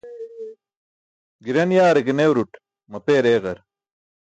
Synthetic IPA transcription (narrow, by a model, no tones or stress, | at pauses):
ɡiɾɐnjaːɾeɡenewɾuʈ | mɐpeːɾeːɣɐɾ